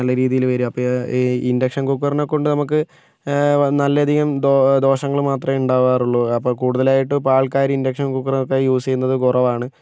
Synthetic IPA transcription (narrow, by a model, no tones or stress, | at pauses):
ɐlːɐɾiːðijilʋɐɾumɐpːɐindɐkʂɐnkuk̬ːɐrnokːo̞ɳɖɨnɐmukːɨ | nɐlːɐɐd̪ʱiɣɐmd̪d̪o̞ːʂɐŋːɐɭmaːt̪rɐmuɳɖaːʋaːruɭːoɐpːoːkuːɽuðɐlaːjiʈːɨpaːɭkaːɾindɐkʂɐnkukːɐrnokːejuːsejunːɐðɨkurɐʋaːɳɨ